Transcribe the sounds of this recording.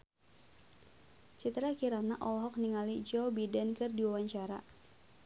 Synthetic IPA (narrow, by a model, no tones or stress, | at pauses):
t͡ʃit̪ɾakiɾanaʔɔlɦɔk̚niŋalid͡ʒɔbidankɨrdiwawaɲt͡ʃaɾa̰